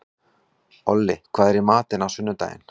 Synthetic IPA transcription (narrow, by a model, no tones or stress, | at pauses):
ɔlːɪkʰv̥aːðɛɾɪmaːt̪ɪnawsʏnːʏt̪a̰ːjɪ̰n̥